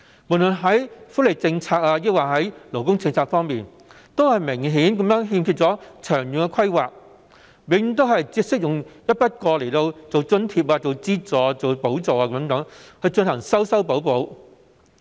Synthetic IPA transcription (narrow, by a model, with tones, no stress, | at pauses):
muː˨˩lɵ˨˩nɦɐ˨˥jfuː˨˥le˨˩t͡sɪ˧ŋt͡sʰaː˧k̚aː˧jɪ˥waː˨˩hɐ˨˥jlo˨˩wkʊ˥ŋt͡sɪ˧ŋt͡sʰaː˧k̚fɔː˥ŋmiː˨n | t̪o˥whɐ˨jmɪ˨˩ŋɦiː˨˥nkɐ˨˥mjœː˨˥ŋɦiː˧mkʰyː˧t̚t͡sɔː˨˥t͡ʃʰœː˨˩ŋjʊ˨ŋkɛ˧kʰɐ˥jwaː˨k̚ | wɪ˨˧˥jy˨˥ŋt̪o˥wɦɐ˨jt͡siː˧p̚sɪ˥k̚jʊ˨ŋjɐ˥t̚pɐ˥t̚kɔː˧le˨˩t̪o˧wt͡so˨wt͡sɵ˥˧nt̪ʰiː˧p̚aː˧t͡so˨wt͡siː˥t͡sɔː˨˩˧t͡so˨wpo˨˥wt͡so˨waː˧kɐ˨˥mt̪ɐ˨˥ŋhɵ˧jt͡ʃɵ˧nhɐ˨˩ŋsɐ˥wsɐ˥wpo˨˥wpo˨˧˥w